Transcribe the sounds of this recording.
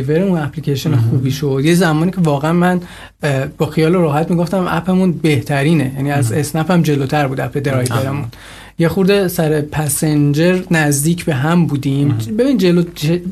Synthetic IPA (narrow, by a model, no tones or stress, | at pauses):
jve̞ɾeunæpʰlicʰeʃonexuːbiːʃo̞d̪̥jezæmɒːnicʰe̞vɒːɣeænmæn | bɒːxijɒːloɾɒːɦæt̪miɡoft̪æmʔæ̰pʰemunbe̞ht̪ʰæɾiːne̞jæniːæzesnæpʰæmd͡ʒe̞lot̪ʰæɾbuːd̪æpʰe̞d̪eɾɒjveɾemun | je̞xuɾd̪e̞sæɾepʰæsend͡ʒe̞ɾnæzd̪iːcʰbe̞ɦæmbuːd̪imbe̞binind̪d͡ʒelot͡ʃʰe